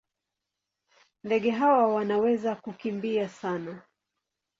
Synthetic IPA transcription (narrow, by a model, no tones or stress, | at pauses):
ndɛɠɛɦawawanawɛzakukimbiasana